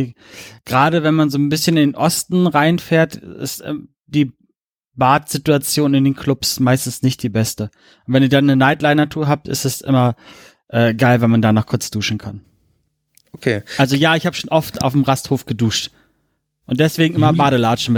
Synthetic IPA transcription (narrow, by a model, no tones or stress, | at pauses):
ɡ̥ʁaːdəvɛnmanzoːnbɪsçənɪndeːnʔɔstn̩ʁaɪnfɛːɐtɪ̰st | d̥iː | baːtz̥ɪtuat͡sjoːnɪndeːnkʰl̥ʊpsmaɪstn̩snɪçt̚d̥iːbɛstə | ʔʊnv̥ɛniːɐdanːənaɪtlaɪnatʰuːɐɦaːp̚tʔɪ̰stɛsʔɪ̰mɐ | ʔɛːɡaɪlvɛnmandaːnɔχkʰʊɐt͡sd̥uːʃn̩kʰan | ʔokʰḛːalzojaːɪçhaːbəʃoːnʔɔfta̰ʊfm̩ʁasthoːfɡ̥əduːʃt | ʔʊnt̚d̥ɛsv̥eːɡŋ̩ʔɪmɐbaːɾəlaːʃn̩m